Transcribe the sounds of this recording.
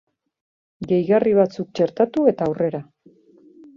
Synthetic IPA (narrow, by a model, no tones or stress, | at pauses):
ɡe̞jɣariβat͡suk̚t͡ʃe̞ɾt̪at̪ue̞t̪aːwre̞ɾa